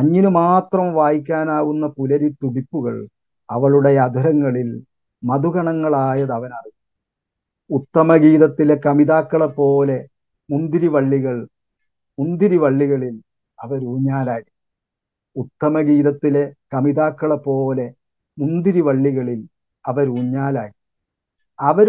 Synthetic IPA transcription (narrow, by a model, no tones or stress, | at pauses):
ɐɲːinumaːt̪rɐmʋaːjikʲːaːnaːɣunːɐpulɐɾit̪ːuɽipːuɣɐɭ | ɐ̰ʋɐɭuɽe̞ɐd̪ʱɐɾɐŋːɐɭil | mɐd̪ʱuɣɐɳɐŋːɐɭaːjɐðɐʋɐnɐriɣ | ut̪ːɐmɐɡiːðɐt̪ːile̞kɐmiðaːkːɐɭepːo̞ːle̞ | mund̪iɾiʋɐɭːiɣɐɭ | mund̪iɾiʋɐɭːiɣɐɭil | ɐʋɐɾuːɲːaːlaːji | ut̪ːɐmɐɡiːðɐt̪ːilekɐmiðaːkːɐɭɐpːo̞ːle̞ | mund̪iɾiʋɐɭːiɣɐɭil | ɐʋɐɾuːɲːaːlaːji | ɐʋɐɾ